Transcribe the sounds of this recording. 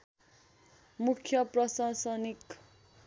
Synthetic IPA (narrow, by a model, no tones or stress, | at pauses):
mukʰjʌprʌsasʌnik